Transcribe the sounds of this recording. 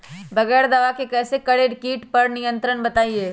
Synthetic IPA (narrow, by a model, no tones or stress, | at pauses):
bɐɡɛːɾd̪ɐʋakekɛːsekɐɽeɖɪkiːʈpɐɾnɪjə̃nt̪ɾənbɐt̪aːieː